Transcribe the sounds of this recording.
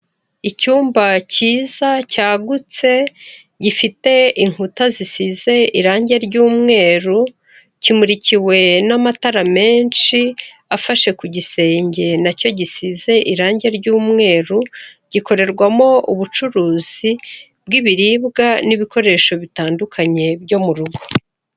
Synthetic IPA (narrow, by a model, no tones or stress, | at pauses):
icuːmbaciːzacaːɡut͡se̞ | ɟifite̞iŋ̥hutazisize̞iɾaːɲɟe̞ɾɟuːmŋe̞ːɾu | cimuɾiciwe̞namataɾame̞ːnʃi | afaʃe̞kuɟise̞ːɲɟe̞naco̞ɟisize̞ʔiɾaːɲɟe̞ɾɟuːmŋe̞ːɾu | ɟ̥iko̞ɾe̞ɾɡwamo̞uβut͡ʃuɾuːz̥i | b̚ɡiβiɾiːβɡaniβiko̞ɾe̞ːʃo̞βitaːndukʰaɲe̞bɟo̞muɾuɡo̞̥